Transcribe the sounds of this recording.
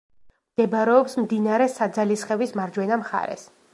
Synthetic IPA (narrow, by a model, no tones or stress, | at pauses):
md̪̥ɛbɾɛɔpsmd̪inaɾɛsad̪zalisχɛvismaɾd͡ʒwɛnamχa̰ɾɛ̰s